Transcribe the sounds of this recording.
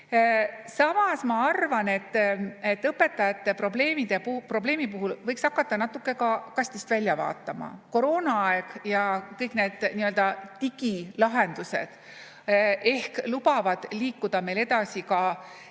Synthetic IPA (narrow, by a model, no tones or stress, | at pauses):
sɑmɑsmɑɑrvɑne̞t̪ːet̪ːɤpːe̞t̪ːˑɑjɑt̪ːe̞pro̞ble̞ːmid̪̥eppro̞ble̞ːmipuɦulvɤjksɑkːɑt̪ːɑnɑt̪ːˑukːˑe̞kɑkɑsʲt̪ist̪vælʲːjɑvɑ̰ːt̪ˑːɑmɑ̰ko̞ɾo̞ːnɑɑeɡ̥jɑkɤjkne̞ːd̪̥niø̞ld̪ɑt̪iɡ̥ilɑɦe̞nd̪̥use̞̰d̪̥ | ʔe̞hklubɑvɑd̪̥liːkːud̪̥ɑme̞jle̞d̪ɑsikɑ